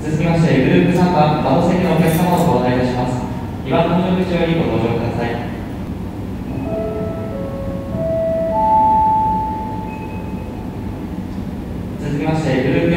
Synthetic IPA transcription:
t͡sɨzɨkʲemaɕi̥t̪e̞ɡɯ̟ɾɯ̟ːpɯ̟sãŋk̪βabad̪oːst̪ekʲinokʲakɯ̥sanɦoːsot̪ait̪aɕimasɨ̥ | iβat̪onoɾokɯʑijo̞ːɾʲiɡo̞t̪o̞ːʑo̞ːkɯ̟d̪asai | t͡sɨzɨkʲemaɕi̥t̪e̞ɡɯ̟ɾɯ̟ːpːɯ

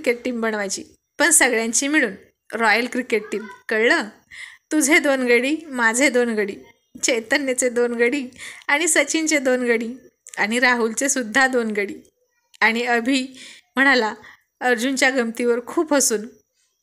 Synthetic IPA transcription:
keʈ̚ʈiːmbəɳʋajt͡ɕḭː | pəɳsəɡɭjãɲt͡ɕiːmiɭuːn | ɾɔjəlkɾikeʈ̚ʈiːmkəɭə | t̪ud͡zʱed̪onɡəɽiːmad͡zʱed̪onɡəɽiː | t͡ɕəjt̪ənjət͡sed̪onɡəɽiːaɽ̃isət͡ɕint͡sed̪onɡəɽiː | aɽ̃iɾaɦult͡sesud̪ʱːad̪onɡəɽiː | aɽ̃iəbʱiː | m̤əɽ̃ala | əɾd͡ʑunt͡ɕjaɡəmt̪iʋəɾkʰuːpɦəsuːn

